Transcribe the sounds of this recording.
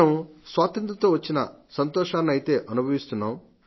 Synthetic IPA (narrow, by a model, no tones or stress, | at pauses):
ɐmsʋaːt̪ɐnt̪ɐt̪o̞ːʋɐt͡ʃːinɐ̰sɐnt̪ɔːʂaːnːiɐjit̪e̞ːʔɐnubʱɐʋist̪unːaːm